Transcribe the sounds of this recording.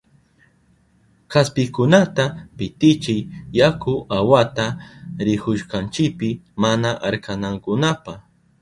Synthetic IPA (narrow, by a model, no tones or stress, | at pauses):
kaspɪkʊnat̪apɪt̪ɪt͡ʃɪjjakʊawat̪aɾɪkʊʃkant͡ʃɪpɪmanaʔaɾkanaŋkʊnapa